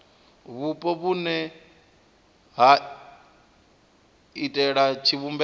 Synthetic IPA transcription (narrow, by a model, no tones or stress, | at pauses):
βupʼɔβunɛ | ɦa | itʼɛɺat͡ʃʰiβumbɛ